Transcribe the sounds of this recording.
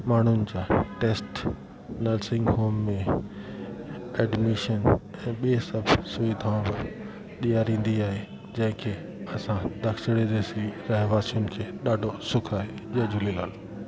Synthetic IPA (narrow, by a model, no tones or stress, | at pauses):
maːɳ̤ʊnɪ̆d͡ʑaːʈeːsʈ | nɐɾsɪ̃ŋɡɦoːmːẽ | ɛːɖmiʃənɛ̃ːɓiesɐbʱsʊʋiːd̪ʱaʊ̃bɪ | ɗ̪ijaːɾĩːn̆d̪iaːɦe | d͡ʑɐ̃ɦɪ̃kʰeː | ɐsãd̪ɐkʰsɪɽeɾesiɾɐɦʋaːsijʊnɪ̆kʰeːɗaːɖʱosʊkʰaːɦe | ʄɐd͡ʑʊlilaːlo